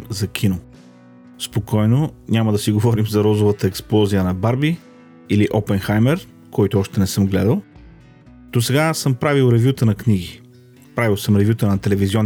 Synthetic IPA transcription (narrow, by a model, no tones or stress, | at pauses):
zɐkʲʰino | spokɔjnonʲamɐd̪ɐsiɡovɔɾimzɐɾɔzovət̪əɛksplˠɔzijənɐbaɾbi | iliʔɔpɛnxajmɛɾ | kʰɔjt̪oɔʃt̪ɛnɛsɤmɡlɛd̪əlˠ | d̪̥osɛɡasɤmpɾavilˠɾɛvʲjut̪ənɐkniɡi | pɾavilˠsɤmɾɛvʲjut̪ənɐt̪ɛlɛvizʲiɔn